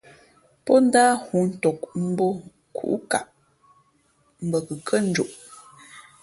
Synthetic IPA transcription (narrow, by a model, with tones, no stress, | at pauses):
pɔ˦n̩˦daː˦hu˨˦n̩˦tɔ˨k̚m̩˦bo˦ | kʰṵ˨ʔu˦ka̰˨ʔ | m̩˦bə˨kə˨kʰə˦n̩˦d͡ʒu˨ʔ